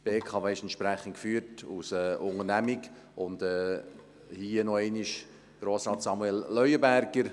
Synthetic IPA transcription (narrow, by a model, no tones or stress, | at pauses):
b̥eːkʰɑːveːɪʃɛnʃpɾæχən̩tkfyːɾtusɛːʊŋənæmik | ʔʊndɛː | hiənɔɛɪniʃ | ɡ̥ɾoːsɾɑːtsɑmuɛlːœʏəbæɾɡəɾ